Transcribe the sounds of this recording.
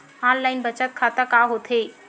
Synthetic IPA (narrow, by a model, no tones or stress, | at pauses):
ãnlainbət͡ɕət̪̚kʰat̪əkaɦot̪ʰe